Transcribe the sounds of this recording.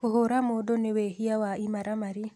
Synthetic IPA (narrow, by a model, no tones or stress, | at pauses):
oɦoɾamodonewehiawaimaɾamaɾi